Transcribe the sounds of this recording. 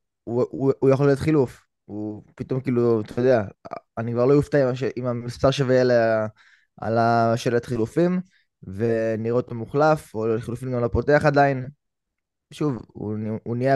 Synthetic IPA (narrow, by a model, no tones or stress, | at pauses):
uujaχo̞lijo̞t̪χiluf | upit̪o̞mkiːluat̪ʰajod̪eaanikvaʁlo̞juft̪aimʃeʔimamistaʁʃevejele | a̰laʃelet̪χilufim | veniot̪omuχlafoljotχilufimɡamlo̞po̞te̞aχad̪ain | ʃuvṵunija